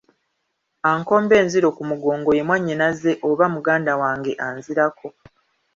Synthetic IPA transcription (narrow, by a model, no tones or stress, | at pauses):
aːŋko̞ːmbe̞ːnziɾo̞kumuɡo̞ːŋɡo̞je̞mwaɲːinaze̞ʔoβamuɡaːndawaːŋɡe̞ʔaːnziɾakʰo̞